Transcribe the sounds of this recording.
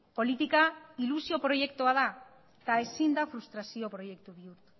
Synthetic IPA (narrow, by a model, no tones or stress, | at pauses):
po̞lit̪ikailusio̞pɾo̞ʝe̞kt̪uað̞a | t̪ae̞sind̪afɾust̪ɾasio̞pɾo̞je̞kt̪uβiuɾt̪u̥